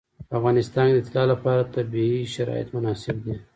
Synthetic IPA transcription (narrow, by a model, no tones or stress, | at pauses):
afɣɑnɪst̪ɑnd̪əɪt̪ɪlɑlapɑɾat̪abiiʃaɾɑ̰jɪ̰t̪mʊnɑsɪb̚d̪e